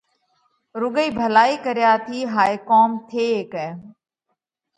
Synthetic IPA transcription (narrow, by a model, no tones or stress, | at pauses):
ɾʊɡəiːbʱəlaːiːkəɾjaːt̪ʰiːɦaːekoːmt̪ʰeːeːkɛː